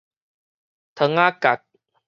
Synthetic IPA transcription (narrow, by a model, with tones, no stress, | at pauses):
t̪ʰə˧˦ŋa˦ka˨˩k̚